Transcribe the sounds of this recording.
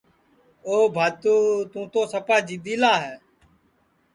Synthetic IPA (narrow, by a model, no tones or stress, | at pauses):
oːbʱaːt̪uːt̪ũːt̪oːsəpaːd͡ʒiːd̪iːlaːɦɛː